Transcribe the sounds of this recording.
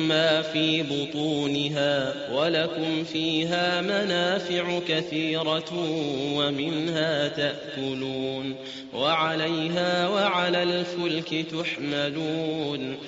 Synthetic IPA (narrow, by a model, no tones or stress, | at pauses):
maːfiːbʊt̪ˤuːnɪɦaː | walakʊmfiːɦaːmanaːfɪʕʊkaθiːɾɑ | wamɪnhaːt̪aʔkʊluːn | waʕalajɦaːwaʕalaːlfʊlkɪt̪aħmaluːn